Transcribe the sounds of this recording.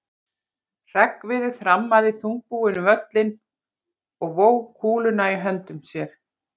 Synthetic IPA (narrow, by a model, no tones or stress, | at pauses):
r̥ɛkvɪðʏθɾamːaðɪθuŋk̚puɪnʏvœt̪lɪn | ɔɣvoːwkʰuːlʏnaiɦœnt̪ʏmsjɛɾ̥